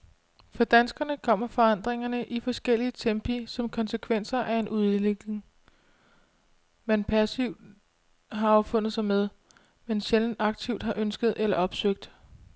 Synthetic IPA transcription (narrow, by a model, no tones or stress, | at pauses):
fɒ̽d̥ænsɡ̥ɐnəkʰɒ̽m̰ɐfɒ̽ɑ̈n̰d̥ʁeŋɐnəʔifɒ̽sɡ̥el̰iət͡sʰemb̥ʰisɒ̽mkʰɒ̽nsəkʰʋen̰sɐʔæe̝nʔuð̞ˠle̝ɡ̥le̝ŋ | menpʰæsiʊ̰d̥ | ɦɑ̈ɒʊfɔ̽n̰ð̩ˠsɑ̈ɪmeð̞ˠ | menɕeln̩ɑ̈ɡ̥̚t͡sʰiʊd̥ɦhɑ̈ʔønsɡ̥ð̞̩ˠelɐʔɒ̽b̥søɡ̥̚d̥